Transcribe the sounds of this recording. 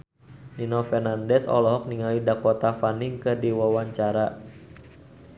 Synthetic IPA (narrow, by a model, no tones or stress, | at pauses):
ninɔfɛrnandɛsɔ̰lɔɦɔk̚niŋalidakɔt̪afaniŋkədiwawaɲt͡ʃaɾa